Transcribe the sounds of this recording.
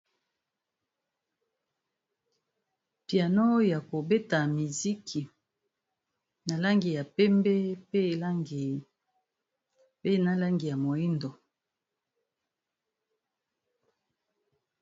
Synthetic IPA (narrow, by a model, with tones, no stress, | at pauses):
pja˨no˦jja˨ko˨be˦ta˨mi˨zi˦kʰi˨ | na˨la˦ŋɡi˨ja˨pɛ˦mbɛ˦pe˦˨la˦ŋɡi˨ | pe˦na˦la˦ŋɡi˨ja˨mo˨i˦ndo˨